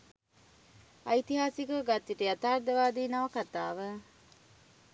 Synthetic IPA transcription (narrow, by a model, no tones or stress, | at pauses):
ɐit̪iɦaːsikəɡat̪ːiʈijɐt̪aːɾd̪ɐʋaːd̪iːnɐʋɐkat̪aːʋə